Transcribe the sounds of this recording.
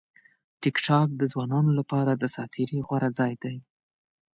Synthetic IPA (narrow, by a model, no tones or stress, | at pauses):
ʈɪkʈʰɑk̚d̪əzwɑnɑnolapɑɾad̪əsɑt̪ʰiɾiɣwaɾad͡zɑjd̪aj